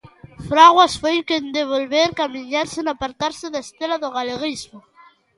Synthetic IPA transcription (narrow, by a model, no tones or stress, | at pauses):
fɾaɣwasfojkend̪eβolβeɾkamiɲaɾsɪnapaɾt̪aɾsɪðaest̪elaðʊɣaleɣizmo